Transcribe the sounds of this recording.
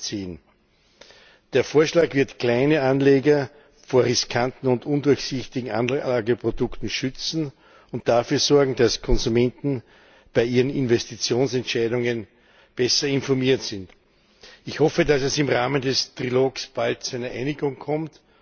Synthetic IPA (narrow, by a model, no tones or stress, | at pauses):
t͡siːn | d̥eːɐfoːɐʃlaːkvɪɐtkl̥æɪnəanleːɡɐ | foːɐʁɪskʰantn̩ʊntʊndʊɐçsɪçtɪɡŋ̩a̰nlaːɡəpʁodʊktn̩ʃʏt͡sn̩ | ʊnt̚d̥afyːɐzɔɐɡŋ̩d̥askʰɔnzumɛ̃ntn̩ | b̥aɪiːʁənɪnvɛstit͡sjoːnsɛntʃæɪdʊŋən | b̥ɛsɐɪnfɔɐmiːɐtsɪnt | ɪçhɔfədasɛsɪmʁaːməndɛstʁiloːksb̥alt̚t͡suæɪnɐʔæɪnɪɡʊŋkʰɔmt